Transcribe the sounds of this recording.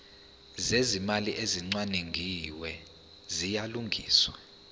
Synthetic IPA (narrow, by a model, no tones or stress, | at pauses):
zezimaliʔeziŋ͡ǀwaneŋɡʱiwɛ | zijaluŋɡʱiːswa